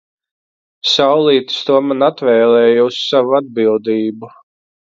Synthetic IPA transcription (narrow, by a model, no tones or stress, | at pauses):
sawlˠiːt̪st̪uɔmanat̪vɛːlˠɛːjussavuad̪̚bilˠd̪iːbu